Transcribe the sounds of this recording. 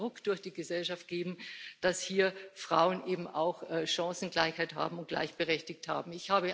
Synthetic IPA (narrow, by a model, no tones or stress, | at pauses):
ʁʊkd̥ʊɐçd̥iːɡəzɛlʃaft̚ɡ̥eːbm̩d̥ashiːɐfʁ̥aʊənʔeːbm̩ʔa̰ʊxʔɛːʃãŋsn̩ɡlaɪçhaɪtha̰ːbm̩ʊnt̚ɡ̥la̰ɪçb̥əʁɛçtɪçtha̰ːbm̩ɪçhaːbə